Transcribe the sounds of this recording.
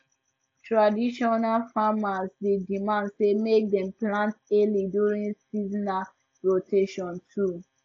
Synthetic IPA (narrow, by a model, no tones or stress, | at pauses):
tɹadiʃɔnalfamasdedimãndsemek̚dɛ̃mplãnteliduɹĩnsizna | ɹotʰeʃɔ̃ntʰu